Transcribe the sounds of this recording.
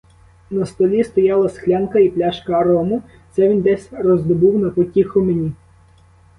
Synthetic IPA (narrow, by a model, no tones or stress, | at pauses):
nɐst̪ɔlʲist̪ɔjɑlˠɐsxlʲɑnkɐiplʲaʃkɐːɾɔmʊ | t̪sɛʋʲind̪ɛsʲrɔzd̪ɔbuwnɐpɔtʲixʊmenʲi